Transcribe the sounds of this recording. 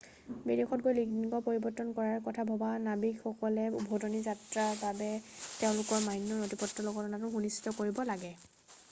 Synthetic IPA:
bidexɔt̚ɡojliɡniɡɔpoɹibɔtːɔnkɔɹaɹkɔtʰabʱɔbanabikxɔkɔlɛṵbʱɔdɔnizatɹaɹbabɛtɛʊ̃lʊkɔɹmajnːɔnotipɔtːɔlɔɡɔtɔnatʊxunisi̥tɔkoɹibɔlaɡɛ

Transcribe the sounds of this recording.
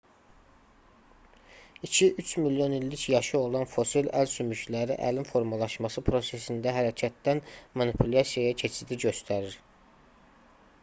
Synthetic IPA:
icʰiʔyt͡ʃʰmiljo̞nilːicjɑʃɯo̞lˠɑnfo̞silælsymyʃlæɾḭʔæ̰limfo̞ɾmɑlˠɑʃmɑsɯpʰɾo̞se̞sind̪æɦæɾæcʰæt̪̚d̪ænmɑnipʰylɑsijɑjɑcʰe̞t͡ʃʰid̪iɟø̞st̪ʰæɾiɾ

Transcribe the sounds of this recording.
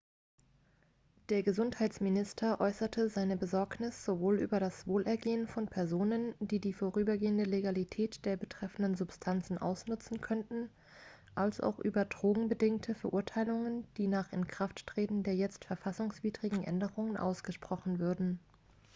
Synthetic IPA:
d̥eːɐɡəzʊnthaɪtsmɪnɪstʰɐʔɔʏsɐtʰəzaɪnəbəzɔɐknɪsz̥ovoːlʔy̰ːbɐɾasv̥oːlʔɛɐɡeːənfɔnpʰɛɐzoːnənd̥iːdiːfoːʁyːbɐɡeːəndəleɡalitʰɛːtd̥eːɐbətʁ̥ɛfn̩dənzʊpstʰant͡sn̩ʔa̰ʊsnʊt͡sn̩kʰœntn̩ | ʔalsʔa̰ʊxʔyːbɐdʁoːɡŋ̩bədɪŋtʰəfɛɐʔʊɐtʰaɪlʊŋənd̥iːnaːχɪnkʁ̥afttʁ̥eːtn̩deːɐjɛt͡stfɛɐfasʊŋsv̥iːdʁɪɡŋ̩ʔɛ̰ndəʁʊŋənʔa̰ʊsɡ̥əʃpʁ̥ɔχn̩vʏɐdn̩

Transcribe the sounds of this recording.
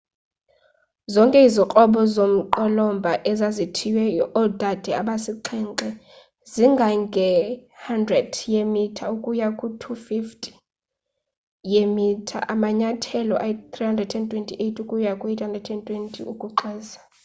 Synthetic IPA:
zɔŋkʼɛiziqʼɔɓɔzom̩ǃɔlɔmbʱaʔɛzazitʰiwɛɔɔd̥ʱad̥ʱɛaɓasiǃʰɛŋǃɛ | ziŋɡʱaŋɡʱɛhandrɛd̥jemitʰaukʼujakʼutʰufiftʼi | jemitʰa̰ʔamaɲatʰɛlɔʔait̪ʰʼrihandrɛdɛntʼwɛntʼʰiʔejtʰʼukʼujakʼuethandrɛdɛntʼwentʼiukʼuǃɛːzḁ

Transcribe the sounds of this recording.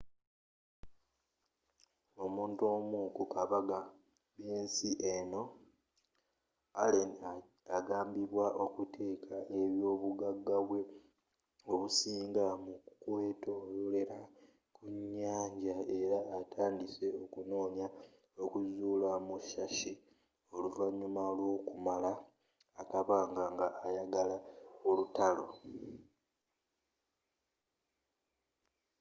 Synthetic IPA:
o̞muːnto̞mukukaβaɡa | βjeːnsiʔeno̞ | alena | aɡaːmbiβwaʔo̞kutʰe̞ːkʰaʔe̞βjo̞ːβuɡaɡːaβwe̞ | oβusiːŋɡamukweːtoole̞ɾa | kuɲːaːɲɟae̞ɾaːtʰaːndise̞o̞kuno̞ːnja | o̞kuzuːlamuʃaʃi | o̞luvaɲːumalwoːkumalaː | kaβaːŋɡaŋɡaːjaɡalaolutalo̞̰

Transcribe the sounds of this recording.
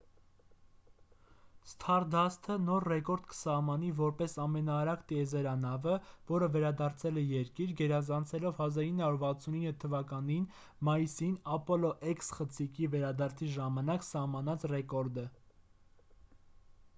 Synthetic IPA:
st̪ʰɑɾd̪ɑst̪ʰənɔɾrɛkɔɾd̪kə̥sɑhmɑnivɔɾpɛsɑmɛnɑːɾɑkt̪iɛzɛɾɑnɑvəvɔɾəvɛɾɑd̪ɑɾt͡sʰɛlɛjɛɾkiɾɡɛɾɑzɑnt͡sʰɛlɔvhɑzɑɾinːəhɑuɾvɑt͡sʰuninːət̪ʰːəvɑkɑnin | mɑjisinɑpɔlɔʔɛksχət͡sʰikivɛɾɑd̪ɑɾt͡sʰiʒɑmɑnɑksɑhmɑn̪ɑt͡sʰrɛkɔɾd̪ə

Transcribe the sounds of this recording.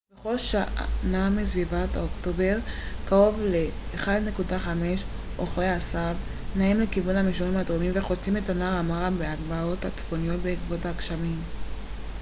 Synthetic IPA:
b̥eχo̞lʃanamisvivatokto̞be̞ʁkaʁo̞vle̞ːχadne̞kudaχame̞ʃ | ʔoχʁeasav | naimlekivunhamiʃonimadʁomimve̞χot͡simetanaʁamaʁambeaɡbao̞that͡sfo̞nijo̞tbeikbotaːkʃamim

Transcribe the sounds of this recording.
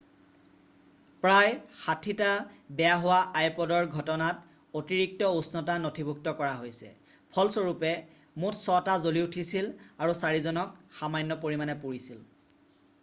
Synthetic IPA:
pɹajxatʰitabɛjaɦowaajpɔdɔɹɡʱɔtɔnat | otiɹik̚tɔusnɔtanotʰibʱuk̚tɔkɔɹaɦojsɛ̰ | pʰɔlsɔɹupɛ | mutʰsɔtazoliutʰisilaɹusaɹizɔnɔk̚xamajnːɔpoɹimanɛpuɹisil

